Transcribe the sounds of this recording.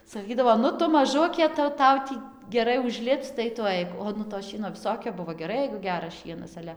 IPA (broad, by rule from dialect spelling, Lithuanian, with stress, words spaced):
sɐˈkʲiːdɐʋoː ˈnʊ ˈtʊ mɐˈʒʊkʲeː tɐɪ jɛʊ ˈtɐʊ tʲiː ɡʲɛˈrɐɪ ʊʒʲˈlʲɪpt͡s tɐɪ tʊ ˈɐɪk oː ˈnʊ toː ˈʃʲiɛnoː ʋʲɪˈsoːkʲoː ˈbʊʋoː ɡʲɛˈrɐɪ jɛɪɡʊ ˈɡʲæːrɐs ˈʃʲiɛnɐs ˈɑːlʲɛ